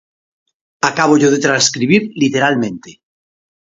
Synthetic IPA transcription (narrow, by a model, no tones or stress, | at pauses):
akaβ̞oʝoðet̪ɾanskɾiβ̞iɾlit̪eɾalmẽnt̪e